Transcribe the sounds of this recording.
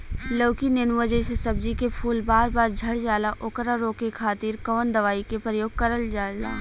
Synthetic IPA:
loːkinɪnʋəd͡ʒẽsesɐb̚d͡ʒikepʰuːlbaːɾbaːɾd͡ʒʱɐɽd͡ʒaːlaʔʊkɾaɾoːkekʰaːt̪iːɾkɔːnd̪ɐʋaːikepɾəjoːɡ̚kɐɾəld͡ʒaːla̰ː

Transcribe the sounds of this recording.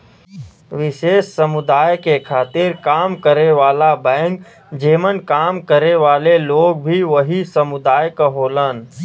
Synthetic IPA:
ʋɪʃeːʃsəmʊd̪aːjkekʰaːt̪ɪɾkaːmkəɾeʋaːlabɛ̃ːŋk | d͡ʒeːmənkaːmkəɾeʋaːleloːɡ̚bʱiʋəɦisəmʊd̪aːjkəɦoːlən

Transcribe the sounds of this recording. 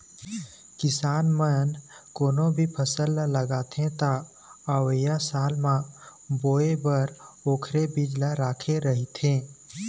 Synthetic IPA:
kɪsaːnmən | koːnõbʱipʰəsəlːləɡaːt̪ʰẽt̪a | aːwəjasaːlmã | boːebəɾoːkʰɾebɪd͡ʒlaɾaːkʰeɾəɦit̪ʰẽː

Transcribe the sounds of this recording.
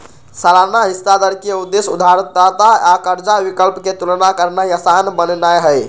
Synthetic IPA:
salanaɦist̪ad̪əɾkieud̪esud̪ʱaɾət̪̚d̪at̪aakəɾd͡ʒaʋikəlpket̪ulnakəɾnajasanbənnajɦəj

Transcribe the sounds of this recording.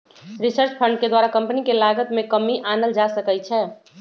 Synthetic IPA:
ɾisəɾt͡ʃpʰəɳɖked̪waɾakə̃mpənikelaɡət̪mẽkəmiʔanəld͡ʒasəkɛt͡ʃʰɛ

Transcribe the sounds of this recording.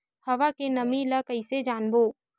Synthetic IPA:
hɐʋakenɐmilakɐised͡ʒaːnboː

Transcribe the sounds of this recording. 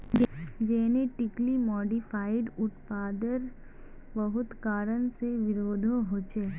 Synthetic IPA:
d͡ʒd͡ʒɛːneʈɪklimɔːɖifʰaːɪɖʊt̪paːd̪əɾ | bɐɦʊt̪kaːɾənseʋɪɾoːd̪ʱõɦoːt͡ʃeː

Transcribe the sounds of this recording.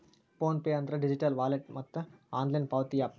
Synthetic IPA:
foːnpeɐnt̪ɾɐɖid͡ʑiʈɐlʋaːleʈ̚mɐt̪ːəaːnlajnpaʋt̪iːaːp

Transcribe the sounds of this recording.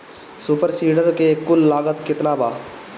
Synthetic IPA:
suːpəɾsiːɖəɾkekʊlːaːɡət̪kɪt̪nabʱa̰ː

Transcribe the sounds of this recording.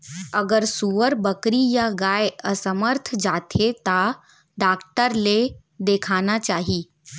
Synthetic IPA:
ɐɡəɾsuʋəɾbəkɾijaɡaːjeɐsəməɾt̪ʰd͡ʒaːt̪ʰet̪a | ɖaːkʈəɾle | d̪eːkʰaːnat͡ʃaːɦiː

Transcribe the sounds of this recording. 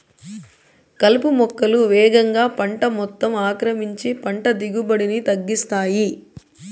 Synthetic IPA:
kɐlpumɔkːɐluʋɛːɡɐŋɡaːpɐɳʈɐmɔt̪ːɐmaːkɾɐmiɲt͡ʃipɐɳʈɐd̪iɡubɐɽinit̪ɐɡːist̪aːji

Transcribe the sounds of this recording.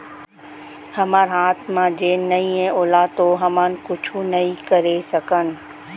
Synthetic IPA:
hɐmaːɾɦaːt̪ʰmãd͡ʑeːnɐĩẽoːlaːt̪oɦɐmãːnɪ̆kʊt͡ʃʰunɐĩkɐɾesɐkənɪ̆

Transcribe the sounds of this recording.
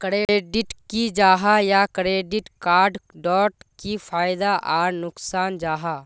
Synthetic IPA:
kɾeːeːɖɪʈkid͡ʒaːɦajakɾeːɖɪʈkaːɾɖɖɔːʈkipʰaːjd̪aʔaːɾnʊksaːnd͡ʒaːɦa

